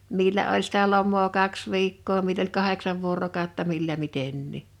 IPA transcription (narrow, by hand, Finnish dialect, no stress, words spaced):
milːæ olʲ sitæ lomˑoː kɑks ʋiːkːoː milː olʲ kɑheksɑʋ ʋuorokɑˑotːɑ milːæ mitenːiˑ